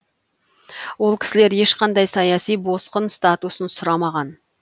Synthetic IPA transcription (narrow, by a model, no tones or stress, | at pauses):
wo̞lˠkʲʰɪ̥sɪle̞ɾje̞ʃqɑnd̪ɑjsɑjɑsijbo̞sqənst̪at̪usənsʊɾɑmɑʁɑn